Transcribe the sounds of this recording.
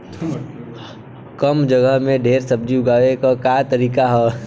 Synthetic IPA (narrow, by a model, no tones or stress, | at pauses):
kəmd͡ʒəɡəɦmẽɖʱeːɾsəb̚d͡ʒiɡaːʋekakaːt̪əɾiːkaɦɛː